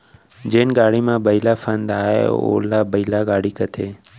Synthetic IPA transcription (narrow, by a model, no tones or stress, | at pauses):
d͡ʑeːnɪɡaːɽimãbəilafʰə̃nd̪aːɦḛo̰ːlabəilaɡaːɽikət̪ʰeː